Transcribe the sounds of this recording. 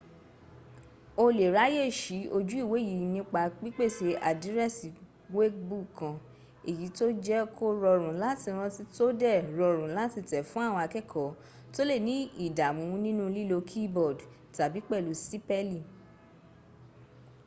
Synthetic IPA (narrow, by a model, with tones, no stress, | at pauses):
o˧le˨ɾa˨˦je˦˨ʃi˨˦o˧d͡ʒu˦i˦˨we˨˦˨ji˨˦nĩ˦k͡pa˧k͡pi˦k͡pe˦˨ʃe˧ʔa˨di˨˦ɾɛ˦˨si˨ | we˦kbu˦kã˧ | e˨ji˨˦to˦d͡ʒɛ˦kʰo˦ɾɔ˧ɾũ˨la˦tĩ˧ɾ̃ɔ̃˧ti˦to˦dɛ˦˨ɾɔ˧ɾ̃ũ˨la˦ti˧tɛ˨fũ˦a˦˨wɔ̃˧a˧kɛ˦˨kʰɔ˨˦ | to˦le˦˨nĩ˦i˦˨da˨mũ˨˦˧nĩ˦nũ˦˧li˦lo˧kʰi˦bɔ˦˨d | ta˨bi˨˦k͡pɛ˦˨lu˨˦si˦pɛ˦li˦˨